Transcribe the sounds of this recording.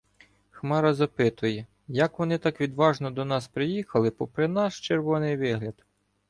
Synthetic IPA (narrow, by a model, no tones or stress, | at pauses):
xmɑɾɐzɐpɪt̪ʊjɛ | jɐkʋɔnɪt̪ɑkʋʲid̪ʋɑʒnɔd̪ɔnɑspɾɪjixɐlˠɪpɔpɾɪnɑʃt͡ʃeɾʋɔnɪjʋɪɦlʲɐd̪